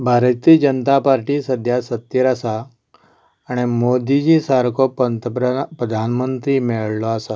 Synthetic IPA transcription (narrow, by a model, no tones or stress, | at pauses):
bʱaɾt̪id͡ʑənt̪apaɾʈiːsəd̪ʱjasət̪jəɾasaː | ɽ̃emod̪id͡ʑisaɾkopənt̪pɾəd̪ʱanmənt̪ɾiːmɛɭlɔasa